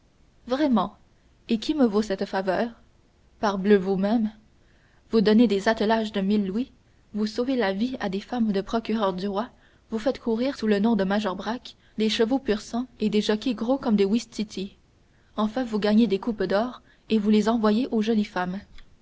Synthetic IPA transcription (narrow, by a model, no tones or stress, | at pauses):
vʁɛmɑ̃ | ekʲʰiməvosɛt̪favœːʁ | paʁbløvumɛm | vud̪ɔned̪ezat̪əlaʒd̪əmilːwi | vusovelaviad̪efamd̪əpχɔkʲyʁœʁd̪yʁwa | vufɛt̪kʰuʁiːʁsulənɔ̃d̪əmaʒɔʁbʁak | d̪eʃəvopyʁsɑ̃ed̪eʒɔkʲeɡʁokɔmd̪ewist̪it̪ʰi | ɑ̃fɛ̃vuɡaɲed̪ekupd̪ɔːʁ | evulezɑ̃vwajeʔoʒɔlifam